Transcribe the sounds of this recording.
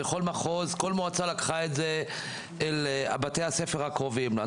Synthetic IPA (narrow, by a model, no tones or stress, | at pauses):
eχo̞lmaχozko̞lmoat͡salakχaetzeː | la̰bat̪ejhasefeʁhakʁovimla